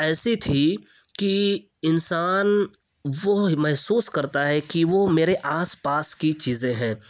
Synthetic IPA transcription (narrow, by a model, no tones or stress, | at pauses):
ɛːsit̪ʰi | ki | ɪnsaːn | ʋomɛɦsuːskɐɾt̪aɦɛkiʋomeːɾeʔaːspaːskit͡ʃiːzẽɦɛ̃ː